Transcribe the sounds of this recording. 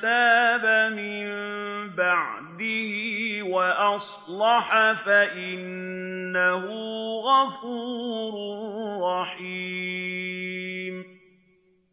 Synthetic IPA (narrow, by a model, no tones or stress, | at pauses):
aːbamɪmbaʕd̪ɪhɪwaʔɑsˤlɑħafaʔɪnː | aɦʊɣɑfuːɾʊrːɑħi | m